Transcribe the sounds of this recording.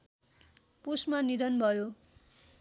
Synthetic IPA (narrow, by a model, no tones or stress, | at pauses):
pusmanid̪ʌnbʱʌjo